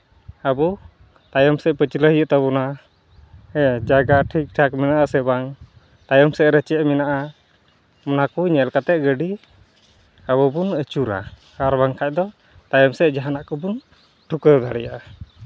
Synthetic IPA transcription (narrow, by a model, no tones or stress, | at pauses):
abɔ | t̪ajɔmsɛʔpət͡ʃiləɦjəʔt̪aβɔna | ɛd͡ʒaɡaʈʰik̚ʈʰak̚minaʔasɛbaŋ | t̪ajɔmsɛʔɾɛt͡ʃɛʔmɛnaʔa | mɔnakuɲɛlkat̪ɛʔ̚ɡəɖi | abɔbunət͡ʃuɾa̰ | aɾbaŋkʰac̚d̪ɔ | t̪ajɔmsɛʔd͡ʒaɦanaʔkɔbun | ʈʰukəd̪aɽɛjaʔa